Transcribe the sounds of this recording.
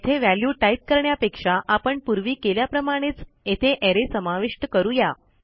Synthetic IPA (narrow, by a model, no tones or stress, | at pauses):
t̪ʰeʋæljuʈaip̚kəɾɳjapekʂaʔapəɳpuɾʋiːkeljapɾəmaɽ̃et͡s | et̪ʰeʔeɾesəmaʋiʂʈəkəɾuja